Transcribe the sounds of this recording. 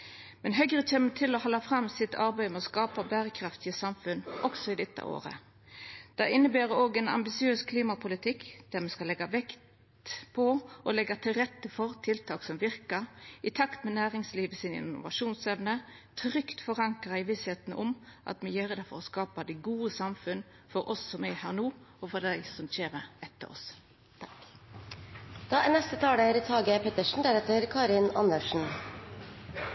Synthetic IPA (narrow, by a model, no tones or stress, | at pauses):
mɛnɦœɡʁət͡ʃeːmət̪ʰɪlɔhɔlːɑfʁɑmːsɪt̪ʰɑʁbæɪmɛɔskɑːpɑbæːɾəkʰɾɑft̪ɪəsɑmfʉnːʔɔksɔɪd̪ɛt̪ːə̰ʔo̰ːʁə̰ | d̪̥æɪnːəbæːʁəoːɡɛnɑ̰mbɪsɪøːskʰliːmɑpʰʊlɪt̪ʰɪkːd̪̥æʁmɛskɑlɛɡɑʋɛkt̪ | pʰɔɔlɛɡɑt̪ʰɪlʁɛt̪ːəfɔʁt̪ʰɪlt̪ʰɑːksɔmʋɪʁkəʁɪt̪ʰɑkt̪mɛnæːʁɪŋsliːʋəsɪnɪ̰nʊ̰ʋɑ̰ʃuːnsɛʋnət̪ʰɾʏkt̪fɔʁɑŋkəʁæɪʋɪsheːt̪nʔʊmʔɑ̰t̪mɛjøːʁd̪ɛfɔɾɔskɑːpɑd̪æɡuːəsɑmfʉn | fɔɾɔsːɔmɛhæːʁnuːɔfɔʁd̪æɪsɔmçeːməɛt̪ːə̰ɾɔ̰s | d̪̥ɑːnɛst̪ət̪ʰɑːɽəɾɪt̪ʰɑːɡəpʰɛt̪əʂɳn̩d̪æːɾheːt̪əɾkʰɑːɾɪnɑ̰nəʂɳ̩